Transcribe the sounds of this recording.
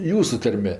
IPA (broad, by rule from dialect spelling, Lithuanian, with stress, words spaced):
ˈjuːsʊ ˈtɐrʲmʲɛ